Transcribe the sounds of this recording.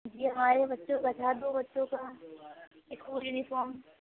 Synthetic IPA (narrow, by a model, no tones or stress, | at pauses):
d͡ʒiːɦɐmaːɾebɐtːʃõɡɐt͡ʃʰad̪oːbɐtːʃõka | ekːuːljuːnifɔːɾm